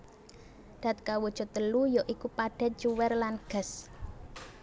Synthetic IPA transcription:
d̪̥a̤t̪̚kawud̥ʒ̥ɔ̤t̪əlujɔʔikupaɖ̥ɛ̤t͡ʃuwɛrlanɡ̥ə̤s

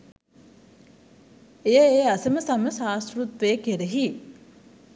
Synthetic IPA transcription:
ejəeːɐsɐməsɐməsaːsɾut̪ʋeːkeɾeɦi

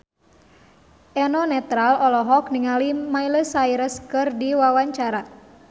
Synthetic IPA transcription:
ʔɛnɔnɛt̪ɾalɔlɔɦɔkniŋalimailəsaiɾəskɨrdiwawaɲt͡ʃaɾa

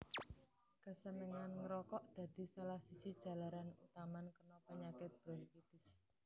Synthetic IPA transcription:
kəsənəŋanŋɾɔkɔʔd̪̥ä̤d̪̥i̤salahsisid̥ʒ̥ä̤laɾanut̪amankərnɔpəɲakɪt̪̚b̥ɾɔnpit̪ɪs

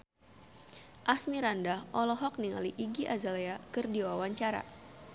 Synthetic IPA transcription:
ʔasmiɾandahɔlɔɦɔk̚niŋa̰liʔiɡiʔazaleakɨrdiwawaɲt͡ʃaɾa̰

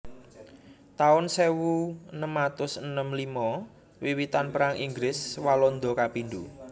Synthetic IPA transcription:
t̪aʊnsewunəmat̪ʊsənəmlimɔ | wiwit̪anpəɾaŋʔiŋɡlɪswalɔnd̪ɔkapinɖu

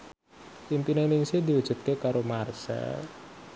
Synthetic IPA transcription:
impinenɪŋsɪhd̪iwud̥ʒ̥ṳt̪̚kekaɾomarsɛ̰l

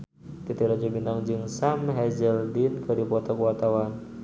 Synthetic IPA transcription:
t̪it̪iɾad͡ʒabinaŋd͡ʒɨŋsamɦɛzɛldinkɨdipɔt̪ɔkuat̪awan

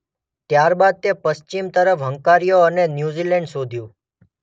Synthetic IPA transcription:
t̪jaɾbad̪̚t̪epəst͡ʃimt̪əɾəfɦəŋkaɾijoənenjuzilɛɳɖsod̪ʱjũ

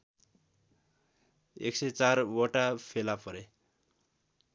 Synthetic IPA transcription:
ḛksʌjt͡sarwoʈapʰelapʌɾe

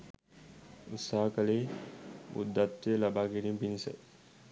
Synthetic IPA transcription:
ut̪saɦakɐleːmṵd̪ːat̪ːelɐbaːɡeɾimbinisɛ̰

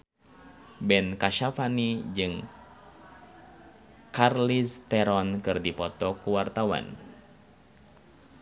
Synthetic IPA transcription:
bɛnkaʃafanid͡ʒɨŋ | karlist̪ɛɾɔnkɨrdipɔt̪ɔkuwart̪awa̰n

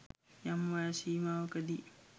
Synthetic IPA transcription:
jamwaʃiːmawkɐdi

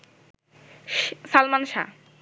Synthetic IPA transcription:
salmanʃa̰

